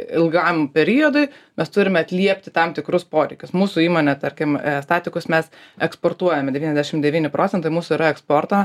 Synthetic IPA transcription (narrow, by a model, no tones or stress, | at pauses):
ɪlˠɡɐmpʲɛɾʲɪjoːd̪ʊɪmʲɛst̪ʊɾʲɪmʲɛɐt̪ʲlʲiɛpʲt̪ʲɪt̪ɐmt̪ʲɪkɾʊspoːɾʲɛɪkʲʊsmuːsʊiːmoːnʲɛt̪ɐɾʲkʲɪmst̪ɑːt̪ʲɪkʊsmʲɛsɛkspoːrt̪uɔjɛmʲɛd̪ʲɛʋʲiːnʲɛzd̪ʲæʃʲɪmd̪ʲɛʋʲiːnʲɪpɾʔoːt͡sʲɛnt̪ɐɪmuːsʊiːɾɐɛkspoːrt̪o